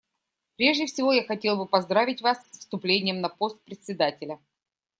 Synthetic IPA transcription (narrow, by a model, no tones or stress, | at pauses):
pɾʲe̞ʐdʲɪfsʲɪvo̞jaxɐtʲe̞lˠbɨpɐzd̪ɾavʲɪtʲvasfst̪ʊplʲenʲɪjəmnɐpo̞st̪̚pɾʲɪt̪ʲsʲɪd̪atʲɪlʲə